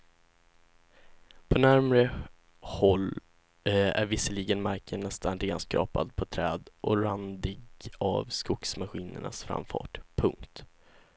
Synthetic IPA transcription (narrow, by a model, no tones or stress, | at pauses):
pʰɔnæɾmɾə | hɔlː | æ̰ɾvɪsːəliːɡənmaɾkʰənːɛst̪ʰanɾeːd̪nskɾɑ̰ːpad̪̚pʰɔt̪ʰɾɛːd̪ʔɔɾand̪ɪɡa̰vskʊksmaɧiːnə̰ɳa̰sfɾa̰mfɑ̰ːʈpʰɵŋkt̪